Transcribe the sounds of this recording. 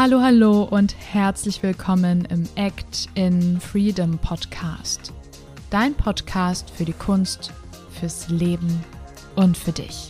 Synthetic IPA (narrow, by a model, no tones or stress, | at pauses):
haloːhaloːʔʊnthɛɐt͡slɪçv̥ɪlkʰɔmənɪ̰mʔɛktɪnfʁ̥iːdəmpʰɔtkʰa̰ːst | d̥aɪnpʰɔtkʰaːstfyːɐɾiːkʰʊnst | fyːɐsleːbm̩ | ʔʊntfyːɐdɪ̰ç